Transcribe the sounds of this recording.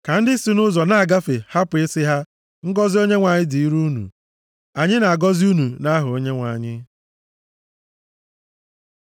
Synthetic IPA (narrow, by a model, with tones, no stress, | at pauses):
ka˨n̩˦dɪ˦si˨nʊ˦zɔ˨na˨a˨ɡa˦fe˨ha˦pe˦sɪ˦ɦa˦ | ŋ̩˦ɡɔ˦zi˦o˦ɲe˦ŋʷa˨ɲɪ˦di˨i˦ɾu˦nṵ˨ | a˨ɲɪ˦na˨a˨ɡɔ˦zi˦u˦nu˨na˦ɦʊ˨o˦ɲe˦ŋʷa̰˨ɲɪ˦